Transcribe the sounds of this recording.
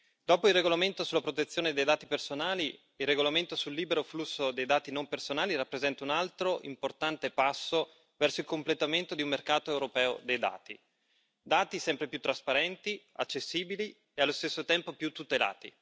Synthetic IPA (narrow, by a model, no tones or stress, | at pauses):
d̪̥ɔːpoilrːeɡolament̪osulːapɾot̪et̪sːjoːned̪ejd̪aːt̪ipersonaːli | ilrːeɡolament̪osulːiːbeɾoflusːod̪ejd̪aːt̪inompersonaːliɾapːɾezɛnt̪aunalt̪ɾoʔimport̪ant̪epasːo | vɛrsoilkomplet̪ament̪od̪iumːerkaːt̪oewɾopɛːo̰d̪ejd̪a̰ːt̪i | d̪aːt̪isɛmpɾepjut̪ːɾaspaɾɛnt̪iat͡ʃːesːiːbili | ealːost̪esːot̪ɛmpopjut̪ːut̪ela̰ːt̪ḭ